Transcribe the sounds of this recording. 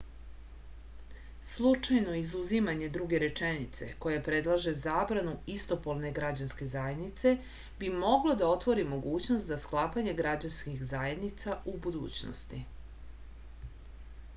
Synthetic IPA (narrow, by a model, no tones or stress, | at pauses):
slˠut͡ʂajno̞izuzimaɲe̞d̪ɾuɡe̞ɾe̞t͡ʃenit̪se̞̰ko̞japɾe̞d̪lˠaʒe̞zaːbɾanuist̪o̞polne̞ɡɾad͡ʑanske̞zajed̪nit̪se̞ | bimo̞ɡlˠod̪ao̞t̪ʋo̞ɾimo̞ɡuːt͡ɕnost̪zasklˠaːpaɲe̞ɡɾad͡ʑanskixzaje̞d̪nit̪saʔubud̪ṵːt͡ɕno̰st̪ḭ